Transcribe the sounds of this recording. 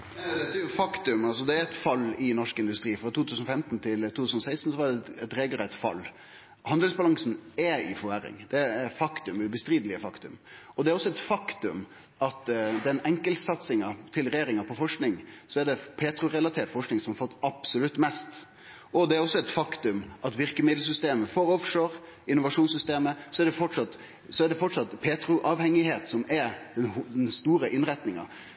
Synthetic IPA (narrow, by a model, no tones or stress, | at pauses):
d̪ɛt̪ːæjʊfɑkt̪ʉmɑlsɔd̪ɛæɾɛt̪fɑlːɪnɔʂkɪnd̪ʉst̪ɾiːfɾɑt̪ʰuːt̪ʰʉːsnɔfɛmt̪nt̪ʰɪlt̪ʰuːt̪ʉsnɔsæɪst̪n̩sɔʋɑɖɛɛt̪ɾeːɡlɾɛt̪ːfɑ̰lː | hɑnd̪əlsbɑlɑŋsnɛɪ̰fɔæɾɪ̰ŋd̪̥ɛɛɾfɑkt̪ʉmʉbəst̪ɾiːd̪əlɪəfɑkt̪ʉ̰m | ɔd̪ɛɾɔsːɔɛt̪fɑkt̪ʉm | ɑt̪d̪ɛnɛŋkəlt̪sɑt̪sɪŋɑt̪ʰɪlɾɛjeːɾɪŋɑpʰɔfɔʂknɪŋsɔæɖɛpʰeːt̪ɾʊɾɛlɑt̪ʰeːʈ̪fɔʂknɪŋsɔmhɑɾfɔt̪ːɑb̥sɔlʉt̪ːmɛst̪ | ʔɔd̪ɛæɾɔsːɔɛt̪fɑkt̪ʉmʔɑt̪ʋɪɾkəmɪd̪l̩s̬ʏst̪eːməfɔɾɔfʂøːɾ | ɪnːʊʋɑʂuːnsʏst̪eːməsɔɛɖɛfɔʈʂɑt̪ | sɔæɖɛfɔʈʂɑt̪ːpʰeːt̪ɾʊʔɑʋhɛŋːɪheːt̪sɔmɛɾd̪̥ɛnhɛnst̪uːɾəʔɪnɾɛt̪nɪŋɑ̰